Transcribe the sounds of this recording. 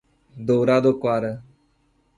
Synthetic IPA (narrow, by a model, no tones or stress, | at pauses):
d̪oːɾaːd̪oːkwaːɾ